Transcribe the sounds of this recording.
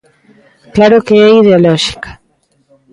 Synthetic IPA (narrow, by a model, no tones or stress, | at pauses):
klaɾɔkeɛiðeɔlɔʃi̥kḁ